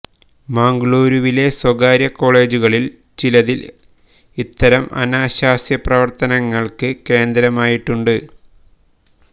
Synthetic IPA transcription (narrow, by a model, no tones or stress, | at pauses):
maːŋɡɭoːɾuʋile̞swɐɡaːɾjɐkːo̞ːɭe̞ːd͡ʑuɣɐɭil | t͡ɕilɐðil | it̪ːɐɾɐmʔɐ̰naːɕaːsjɐprɐʋɐrt̪ɐnɐŋːɐɭkɨke̞ːnd̪ɾɐmaːjiʈːuɳɖɨ